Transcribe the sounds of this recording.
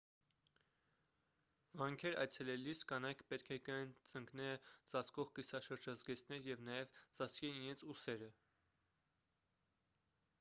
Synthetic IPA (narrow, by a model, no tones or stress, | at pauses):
vɑŋkʰɛɾɑ̰jt͡sʰɛlɛliskɑnɑjkʰpɛt̪̚kʰɛkəɛnt͡səŋknɛt͡sɑt͡sʰkɔʁkisɑʃəɾd͡ʒɑzɡɛt͡sʰnɛɾjɛvnɑjɛvt͡sɑt͡sʰkɛniɾɛnt͡sʰusɛɾə